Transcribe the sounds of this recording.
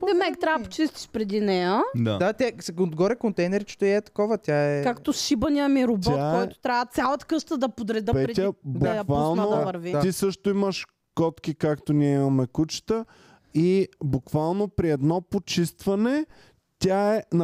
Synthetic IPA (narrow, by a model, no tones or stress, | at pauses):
d̪ɛmɛkt̪ɾapo̥t͡ʃist̪i̥ʃpɾɛd̪inɛjəd̪ad̪at̪ʲasɛod̪ɡɔɾɛkont̪ɛjnɛɾit͡ʃɛ̥t̪oɛt̪ɐ̥kɔvət̪ʲaɛkakt̪osʃibɐnijəmiɾob̪takɛɔjt̪o̥t̪ɾʲavət̪sʲjalˠɐt̪ə̥kɤʃt̪əd̪ɐpod̪ɾɛd̪əpɛɾɛd̪ʲjədb̪j̪ɐvalˠnovəɾviaisɤʃt̪oiməʃ | kɔt̪kikakt̪oniɛimɐmɛkut͡ʃt̪ə | ibukvalˠnopɾiɛd̪nɔpot͡ʃist̪vɐnɛ | t̪ʲaɛn